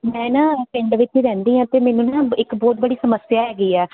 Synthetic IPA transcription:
mɛ̃ːnãːpɪ̃ɳɖʋɪt͡ʃiːɾɛ̃ːnd̪iːɦãːt̪eːmɛːnũːnãːɪkboːʈbəɽiːsəməsjaːɦɛːɡiːɛː

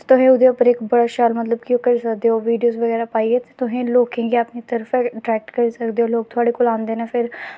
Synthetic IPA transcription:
t̪ʊɦẽːʊd̪eːʊpəɾɪkbəɽaːʃaːlmət̪ləb̚kjõːkəɾiːsəkd̪eːɦoːʋiːɖijoːzʋəɣɛːɾaːpaːieːt̪eːt̪ʊɦẽːloːkẽːɡiaːpniːt̪əɾəfɛɖɾɛːk̚ʈkəɾiːsəkd̪eːɦoːloːk̚t̪ʰʊaːɽeːkoːlãːnd̪eːnepʰɪɾ

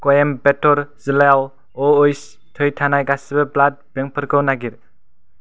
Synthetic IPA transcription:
kɔjembetɔɾziljaw | ɔɯjs | tʰɯjtʰanajɡasibeblad̚b̥eŋpʰɯɾkʰɯwnaɡiɾ

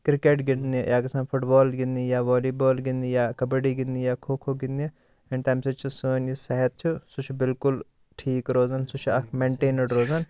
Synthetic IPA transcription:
kɾɪkeːʈɡɪnnijʔaːkɐsãːnpʰʊʈbɔːlɡɪnd̪ijaːʋɔːliːboːlɡɪnd̪ijaːkɐbəɖiːɡɪnd̪ijaːkʰoːkʰoːɡɪnd̪i | eɳʈaːjmsɐt͡ʃʰisəːnjisɐɦɛt̪̚t͡ʃʰusut͡ʃʰbɪlkʊl | ʈʰiːkɾoːzaːnsut͡ʃʰɐkʰmẽɳʈeːnəɖɾoːzan

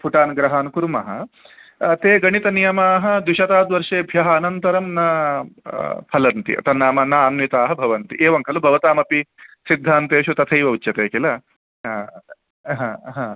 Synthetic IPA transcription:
pʰuʈaːnɡɾɐɦaːnkuɾmɐɦɐ̰ | t̪eːɡɐɳit̪ɐnijɐmaːɦɐ̆d̪uʃɐt̪aːd̪ʋɐɾʂeːbʱjɐɦɐːnɐnt̪ɐɾɐmnɐ | pʰɐlɐnt̪ḭɐ̰t̪ɐnːaːmɐnaːɐnmit̪aːɦɐ̆bʱɐʋɐnt̪ḭʔeːʋɐŋkʰɐlɐbʱɐʋɐt̪aːmɐpisid̪ʱːaːnt̪eːʃut̪ɐt̪ʰɐjʋɐut͡ʃːt͡ʃɐt̪eːkilɐ | ɦaːɦãː

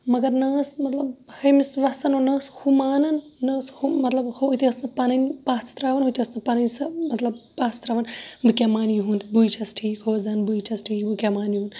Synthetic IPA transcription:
mɐɡɐɾnɐːsmɐt̪lɐbhɐmisʋɐsɐnonɐːshumaːnɐnːɐːshumɐt̪lɐbhoːt̪iɐsnɨpanɐnpaːt͡sʰt̪ɾaːʋɐnɦut̪ʰiɐsnɨpɐnɐnsɐmɐt̪lɐbpaːst̪ɾɐʋɐnbɨkʲemaːnjuɦunt̪bujt͡ʃʰɐsʈʰiːkɦoːzɐnbujt͡ʃʰɐsʈʰiːkbɨkʲemaːnjuɦuːn

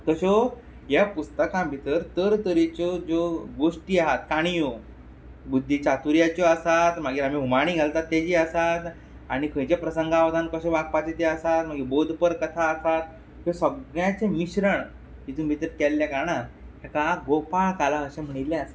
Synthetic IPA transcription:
k̪əɕɔ | ɦjapust̪əkãmbʱit̪əɾt̪əɾt̪əɾit͡ɕɔd͡zoɡoʂʈiːaɦat̪kaɽ̃ijo | bud̪ʱːit͡ɕat̪uɾjat͡ɕɔəsat̪maɡiːɾamiɦumaɽ̃iːɡʱalt̪at̪ːjad͡ʑiːəsat̪ | aɽ̃ikʰə̃jt͡ɕapɾəsəŋɡaʋd̪ankəɕɔbak̚pat͡ɕet̪eəsat̪m̤aɡibod̪ʱpəɾkət̪ʰaəsat̪̚ | ɦosəɡɭjãt͡semiɕɾəɳ | it̪unbʱit̪əɾkɛlːjakaɾɳa | ɦakaɡopaɭkalaəɕẽm̤əɽ̃it̪lːeəsat̪

